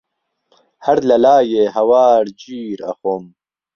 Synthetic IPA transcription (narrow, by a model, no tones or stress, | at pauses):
hɐɾlɐlaːjeɦɐwaːɽd͡ʑiːɾɐ̰xoːm